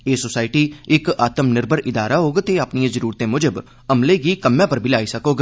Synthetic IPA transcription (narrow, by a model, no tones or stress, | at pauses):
eːsoːsaːɪʈiːɪkaːt̪əmnɪɾbʱəɾɪd̪aːɾaːɦoːɡt̪eːaːpniãːzəɾuːɾt̪ẽːmʊd͡ʒəb | əmleːɡiːkəmːãːpəɾbʱiːlaːiːsəkoːɡ